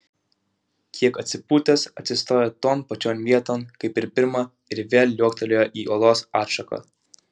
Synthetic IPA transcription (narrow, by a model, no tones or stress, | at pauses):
kʲʰiɛkɐt̪ʲsʲɪpuːt̪ʲɛsɐt̪ʲsʲɪst̪oːjɛt̪oːnpɐt͡ʃʲoːnʋʲiɛt̪oːnkɐɪpɪɾpʲɪɾmɐ | ɪɾʋʲeːlʲjuɔkt̪ɐlʲojoʔiːʔoːlˠoːsɑːɾʃɐkɐ̰